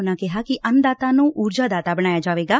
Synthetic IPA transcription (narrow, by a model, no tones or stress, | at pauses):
nakɛɦaːkiʔɐnd̪aːt̪ãnũʔuːɾd͡ʒaːd̪aːt̪abɐɽ̃aːjad͡ʒaːʋeːɡaː